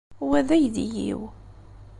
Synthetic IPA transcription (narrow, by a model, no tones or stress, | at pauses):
wæðæjðijḭw